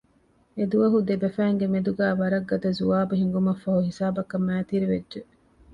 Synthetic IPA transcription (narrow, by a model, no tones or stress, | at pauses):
ed̪uʋɐɦud̪ebɐfæːŋɡemed̪uɡæːʋɐɾɐɡːɐd̪ɐzuʋaːbuɦiŋɡumɐfːɐɦuɦisaːbɐkɐmːæːt̪iɾiʋedʒe